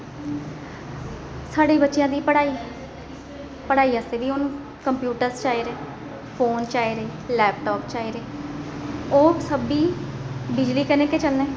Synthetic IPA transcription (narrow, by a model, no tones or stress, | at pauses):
saːɽeːbətːʃɪjãːd̪iːpəɽaːi | pəɽaːiːəseːbiːoːnũː | kəmpjuːʈəɾst͡ʃaːiːɾeː | pʰoːnt͡ʃaːeɾeːlɛːpʈɔːpt͡ʃaːeːɾeː | oːsəbiːbɪd͡ʒliːkənẽːket͡ʃəlnẽː